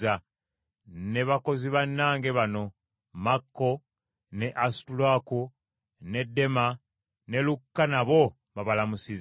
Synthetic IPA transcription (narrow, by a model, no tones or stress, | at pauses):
a | ne̞βako̞ziβanːaːŋɡe̞βano̞ | makːo̞ | ne̞ʔastulwaku | ne̞dːe̞ma | ne̞lukːanaβo̞ | βaβalamusiz